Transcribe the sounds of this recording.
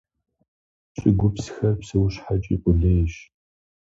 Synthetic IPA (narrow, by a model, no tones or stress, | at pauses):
ɕʼɪɡʷʊpsxɐrpsɨwɕħat͡ʃʼḭːqʷʼʊɮeːjɕ